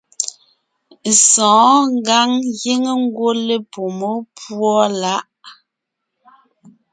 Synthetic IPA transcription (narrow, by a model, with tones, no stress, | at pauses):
sɔ̃ː˨˦ŋ˦ɡa˦ŋje˦ŋe˦ŋ̩˦ɡwo˦le˦po˨mo˦pwɔ˦la˦ʔ